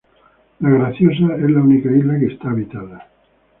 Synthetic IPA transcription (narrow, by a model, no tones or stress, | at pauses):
laɣɾaθjos̬aezlaunikailakest̪aːβit̪aða